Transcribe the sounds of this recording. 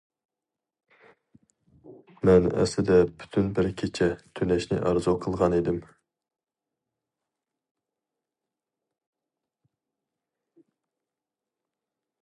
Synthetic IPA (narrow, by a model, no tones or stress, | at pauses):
mɛnɛ̰slɪd̪ɛbʰy̥t̪ʰynbɪɾkʲʰet͡ʃʰɛt̪ʰønɛʃnɪ̰ʔæɾzoqʰəlˠʁɑned̪ɪm